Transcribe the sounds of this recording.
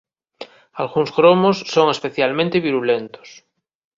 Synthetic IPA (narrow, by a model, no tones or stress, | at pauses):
alɣuŋsɣɾomosːoŋespeθjalmẽnt̪eβiɾulent̪o̥s